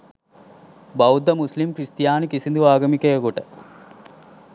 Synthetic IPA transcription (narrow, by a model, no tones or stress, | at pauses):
bɐwd̪ɐmuslimkɾist̪ijaːnikisind̪uʋaːɡɐmikeɐɡuʈɐ